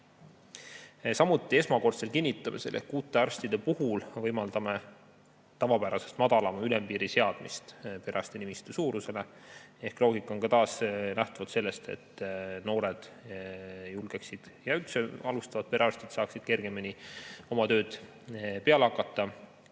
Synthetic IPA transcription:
sɑmut̪ːˑie̞smɑko̞rt̪se̞lkinʲːit̪ːˑɑmieselʔḛhkuːt̪ˑːe̞ɑrst̪id̪̥e̞puhulvɤjmɑld̪ɑme̞ | t̪ɑvɑpæɾɑse̞st̪mɑd̪̥ɑlɑmɑylempiːɾise̞ɑd̪̥mist̪pe̞ɾʔɑ̰st̪inimist̪esuːɾuse̞le̞e̞hklo̞ːɡikːˑɑonkɑt̪ɑːsnæht̪ɑvɑt̪se̞lːe̞st̪e̞̰t̪ːno̞ːɾed̪̥ | julɡ̥eksid̪̥jɑylt̪seɑlust̪ɑvɑt̪̚pe̞ɾɑrsʲt̪id̪̥sɑːksid̪̥̚ke̞rɡ̥e̞minio̞mɑt̪ø̞ːd̪̥ | pe̞ɑleɑkːˑɑt̪ˑːɑ

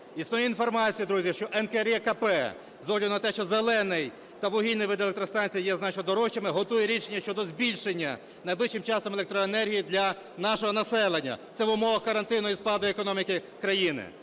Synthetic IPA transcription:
isnɔjiinfɔrmɑt͡sʲijid̪ɾuzʲjɐʃt͡ʃɔʔɛnkɛɛɾjɛkɐpɛ | zɔwlʲinɐt̪ɛʃt͡ʃɔzelˠɛnɪj | t̪ɐʋʊɦʲilʲnɪjʋɪd̪ɐlˠkt̪ɾɔst̪ɑnʲt͡sʲijjɛznɑt͡ʃnɔd̪ɔɾɔʃt͡ʃɐmɪɦɔt̪ujɛɾʲiʃenʲːɐʃt͡ʃɔd̪ɔzbʲilʲʃenʲːɐ | nɐjblɪʃt͡ʃɪmt͡ʃɑst̪ɐmelˠek̚t̪ɾɔenɛrɦʲijid̪lʲɐ | nɑʃɔɦɔnɐsɛlˠenʲːɐ̰t̪sɛʋʊmɔʋɐxkɐɾɐnt̪ɪnʊispɑd̪ɔjekɔnɔmʲikɪ | kɾɐjinɪ̰

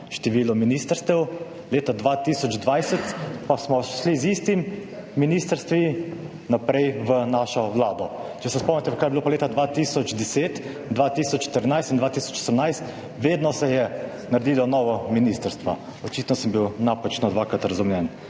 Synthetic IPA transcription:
ʃt̪ɛʋiːlɔminist̪əɾst̪ɛw | leːt̪ad̪ʋat̪isɔd͡ʒd̪ʋajsɛt̪pasmɔʃlizist̪imː | inist̪əɾst̪ʋi | napɾɛjʋənaʃɔʋlaːd̪ɔt͡ʃɛsɛspɔmnɛt̪ɛʋkajɛbiloːpaleːt̪ad̪ʋat̪isɔd͡ʒd̪ɛseːt̪ | d̪ʋat̪isɔt͡ʃːt̪əɾinajst̪ind̪ʋaːt̪isɔ̥t͡ʃosəmnajst̪ | ʋeːd̪nɔsɛjɛ | naɾd̪ilɔnɔːʋɔminist̪əɾst̪ʋa̰ | ɔt͡ʃit̪nɔsəmbiwnapat͡ʃnɔd̪ʋaːkɾat̪ɾazumjɛn

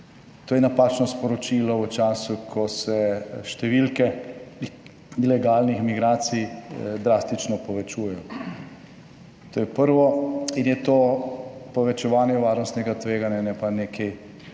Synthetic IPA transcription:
t̪oːjɛnapaːt͡ʃnɔspɔɾɔt͡ʃiːlɔut͡ʃaːsukʰɔsɛʃt̪ɛʋilkɛ | ilɛɡaːlnixmiɡɾaːt̪sijd̪ɾaːst̪it͡ʃnɔpɔʋɛt͡ʃuːjɛjɔ | t̪oːjɛpəɾʋɔinjɛt̪oːpɔʋɛt͡ʃɛʋaːnjɛʋaːɾnɔst̪nɛɡat̪ʋeːɡanjanɛpanekʰɛj

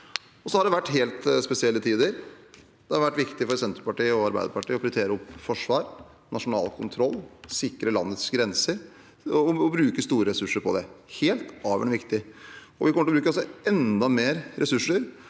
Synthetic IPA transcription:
ɔsɔhɑɖɛʋæʈːɦeːlt̪spɛsɪɛlːət̪ʰiːd̪əɾ | d̪̥ɛhɑɾʋæʈːʋɪkt̪ɪfɔɾsɛnt̪ɾəpɑʈiːəɔɑɾbæ̰ɪd̪əɾpɑʈiːɔpʰɾɛt̪ʰeːɾəɔpːfɔʂʋɑːɾ | nɑʂʊnɑ̰ːlkʰʊnt̪ʰɾɔlːsɪkːɾəlɑ̰nːət̪sɡɾɛnsəɾ | ɔɔbɾʉːkəst̪uːɾəɾɛsʉʂːəɾpʰɔd̪ɛheːlt̪ɑːʋə̰ɳʋɪkt̪ɪɔ̰ʋɪkɔməʈ̪ɭɔbɾʉːkəɔs̬ɔɛnd̪ɑmeːɾɾʔɛsʉʂːəɾ

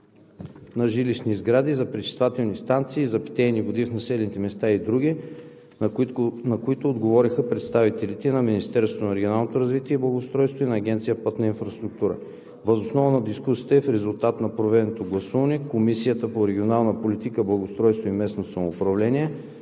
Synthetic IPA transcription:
nɐʒiliʃnizɡɾad̪izɐpɾɛt͡ʃi̥st̪vat̪ɛlˠnist̪ant̪siːzɐpi̥t̪ɛjnivod̪ifnɐsɛlɛnit̪ɛmɛst̪aid̪ɾuɡʲi | nɐkoit̪oːd̪ɡovɔɾixəpɾɛt̪st̪avit̪ɛlit̪ɛnɐminist̪ɛɾst̪vot̪onɐɾɛɡʲionalˠnot̪oɾɐzvit̪iɛblˠɐɡost̪ɾɔjst̪voinɐːɡʲɛnt̪sijəpɤt̪nɐinfɾɐst̪ɾuk̚t̪uɾə̰ | vəzosnɔvənɐd̪iskusi̥t̪ɛfɾɛzulˠt̪at̪nɐpɾovɛd̪ɛnot̪oɡlˠɐsuvɐnɛkomisijət̪əpoɾɛɡʲionalˠnəpolit̪ikəblˠɐɡost̪ɾɔjst̪voimɛsnosɐmoːpɾɐvlɛniɛ

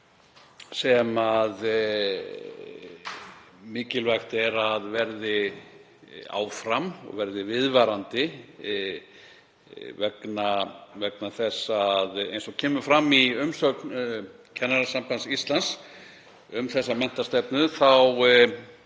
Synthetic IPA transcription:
sɛmað | mɪːcɪlvajxt̪ɛɾaðvɛɾðɪ | a̰ːwfɾamɔ̰ɣvɛɾðɪvɪðvaɾant̪ɪ | vɛknavɛknaθɛsːaðḛjnsɔɣcʰɛːmʏfɾamːiʏmsœkn | cʰanaɾasampansist̪lans | ʏmθɛsːamɛn̥t̪ast̪ɛpnʏθaw

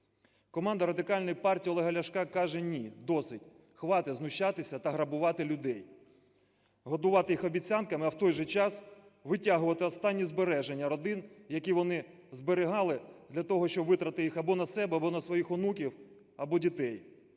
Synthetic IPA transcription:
kɔmɑnd̪ɐɾɐd̪ɪkɑlʲnɔjpɑrtʲiːɔlˠeɦɐlʲɐʃkɑkɑʒɛnʲid̪ɔsɪtʲ | xʋɑt̪ɪznʊʃat̪ɪsʲɐt̪ɐɦɾɐbʊʋɑt̪ɪlʲʊd̪ɛj | ɦɔd̪ʊʋɑt̪ɪjixɔbʲit͡sʲankɐmɪɐwt̪ɔjʒɛt͡ʃɑsʋɪtʲaɦʊʋɐt̪ɪɔst̪ɑnʲːizbeɾɛʒenʲːɐɾɔd̪ɪnjɐkʲiʋɔnɪ | zbeɾɪɦɑlˠɪd̪lʲɐt̪ɔɦɔʃt͡ʃɔbʋɪt̪ɾɐt̪ɪjixɐbɔnɐsɛbɛɐbɔnɐsʋɔjixʊnukʲiw | ɐbɔdʲit̪ɛj

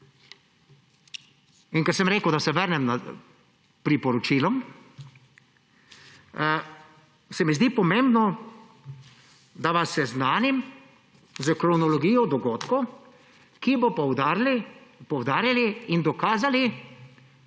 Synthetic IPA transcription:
inkɛɾsəmɾeːkəwd̪asɛʋəɾnɛmna | pɾipɔɾɔt͡ʃilɔm | sɛmizd̪iːpɔmẽmbnɔ | d̪aʋasɛznaːnim | zəkɾɔnɔlɔɡijɔd̪ɔɡoːt̪kɔ | kibɔpw̪lpɔwd̪aːɾjaliind̪ɔkaːzali

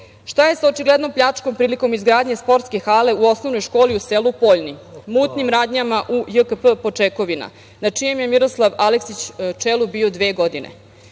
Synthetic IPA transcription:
ʃt̪aje̞saot͡ʃiɡlˠe̞d̪no̞mpʎat͡ʂko̞mpɾiːliko̞mizɡɾaːd̪ɲe̞spo̞ɾt̪ske̞xaːle̞uo̞sno̞ʋno̞jʃko̞ːliuselupo̞ʎnimuːt̪nimɾaːd̪ɲamaʔujəkəpəpo̞t͡ʂeko̞ʋina̰ | nat͡ʂijemje̞miɾo̞slˠaʋaleksit͡ɕt͡ʃelˠubiːo̞d̪ʋe̞ːɡo̞d̪inḛ

